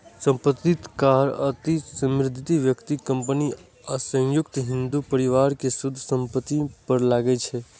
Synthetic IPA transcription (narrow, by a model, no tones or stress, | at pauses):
sə̃mpət̪ːit̪kaɾət̪isə̃mɾɪd̪ʱit̪iʋjəkt̪ikəmpəni | asə̃ŋjʊkt̪ɦĩnd̪upəɾiʋaɾkesud̪ʱːsəmpət̪ːipəɾlaɡɛt͡ʃʰɛ